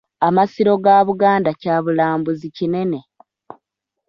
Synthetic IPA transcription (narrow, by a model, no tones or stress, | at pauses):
amasiɾo̞ɡaːβuɡaːndacaːβulaːmbuzicine̞ne̞